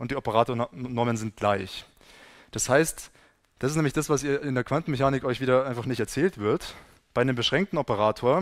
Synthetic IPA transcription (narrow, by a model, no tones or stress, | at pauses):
ʔʊntd̥iːɔpəʁaːtoːɐnɔɐmənzɪnt̚ɡ̥laɪç | d̥ashaɪst | d̥asɪstnɛmlɪçd̥asv̥asiːɐɪndeːɐkv̥antn̩mɛçaːnɪkʔɔʏçv̥iːɾɐaɪnfaχnɪçtɛɐt͡sɛːltv̥ɪɐt | b̥aɪdeːmbəʃʁ̥ɛŋk̚tn̩ɔpəʁaːtʰoːɐ